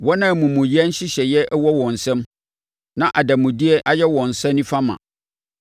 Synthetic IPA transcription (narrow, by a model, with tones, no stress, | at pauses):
wɔ˦nã˦˨mũ˨mũ˨ji˦ɛ˦n̩˦ɕɪ˦ɕɛ˨jɛ˦ʔwɔ˦wɔ̃˨n̩˨sɛ̃˦m | nã˦ʔa˨da˨mũ˨di˦ɛ˦ʔa˨jɛ˦wɔ̃˨n̩˨sɛ̃˦nĩ˦fa˦mã̰˨